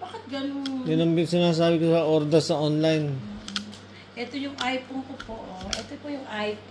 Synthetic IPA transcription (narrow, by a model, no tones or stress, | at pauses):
baːkɪt̪̚ɡɐnoŋnɪnɐmbɪsɪnaːs̬aːbɪkosɐʔoɾd̪ɐsɐʔonlajn | ʔɛt̪ojʊŋʔajponkopoʔoʔɛt̪opojʊŋʔajp